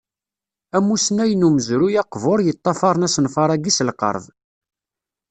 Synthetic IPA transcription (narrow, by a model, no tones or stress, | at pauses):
æmːusnæjənuməzɾujɑqvoɾˤjət̪ˤːɑfɑɾˤnæsənfɑɾˤæɡislqə̰ɾˤð